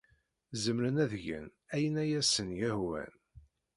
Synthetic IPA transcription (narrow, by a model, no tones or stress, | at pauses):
zəmɾənæðʝə̰n | æjənæjæsənjæhwæ̰n